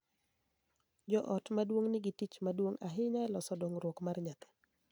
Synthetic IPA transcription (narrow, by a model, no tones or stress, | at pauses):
d͡ʒɔʔɔtmadwoŋnɪɡitit͡ʃmadwoŋaɦɪɲaɛlɔsɔdoŋɾwokmarɲat̪ɛ̥